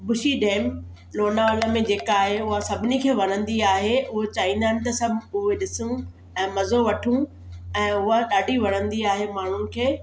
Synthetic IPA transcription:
bʊʃiɖeːm | loːnaoːləmẽd͡ʑeːkaːɦeʊɦasɐbʱɪnikʰeːʋɐɾə̃nd̪iaːɦeʊɦot͡ɕaːĩːnd̪anɪ̆t̪ɐsɐbʱʊɦeɗɪsũ | ɛ̃ːmɐzoʋɐʈʰũ | ɛ̃ːʊɦaɗaːɖʱiʋɐɽ̤̃ə̃nd̪iaːɦemaːɳ̤ʊnɪ̆kʰeː

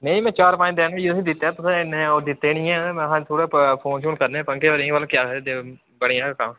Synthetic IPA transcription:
nẽĩmɛ̃ːt͡ʃaːɾpãːd̪eːnjesĩːd̪ɪt̪ːep̪ʊsnẽod̪ɪt̪ːeːnɪ̃ːɛ̃ːɦãːt̪ʰoːɽeːpʰoːnʃũːnkəɾnẽːpə̃ŋkeːoːɾĩːʋaːlːkjaːd̪e | bəɽijãːkam

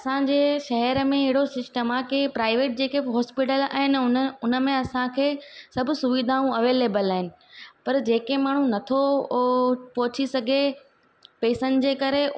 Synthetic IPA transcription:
ɐsãɲd͡ʑeːʃɐɦɛɾəmẽɪɦɪɽosɪsʈəmaːkipɾaːɪʋeːʈ̚d͡ʑeːkeɦɔːspɪʈəla̰ːɦɪnɪʊnʊnə̆mẽɐsãkʰeːsɐbʱʊsʊʋid̪ʱaːũɐʋeːleːbəlaːɦɪnɪ̆ | pɐɾd͡ʑeːkemaːɽ̤̃ũnɐt̪ʰo | pɔɦʊt͡ɕʰisɐɡʱe | peːsənɪ̆d͡ʑeːkɐɾe

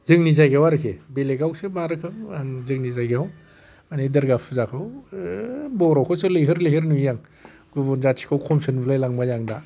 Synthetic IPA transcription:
zɯŋnizajɡewaɾɯkʰḛbeleɡawsɯmaɾɯkʰɯŋaŋzɯŋnizajɡeaw | anidɐɾɡapʰɯzakʰɯw | bɔɾɔkʰɔsɯlɯjɦɯɾlɯjɦɯɾnujaŋ | ɡubɔnzatʰi̥kʰawkʰɔmsɯnbɯlajlaŋmajaŋda

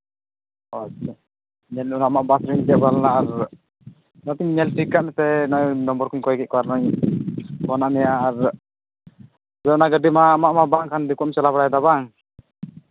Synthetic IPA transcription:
ɔ | ɲɛlunaamaʔbasɾind͡ʒɛʔbalnaːɾ | nɔt̪iɲɲɛlsikaʔmɛt̪ɛnɔjnɔmbɔɾkunkɔɛkɛʔ̚kɔaɾnɔɲ | kɔnaʔmɛjaːɾ | bɛnaɡəɖimaːmaʔmaʔbaŋkand̪ikuʔmsalabaɽajad̪aβaŋ

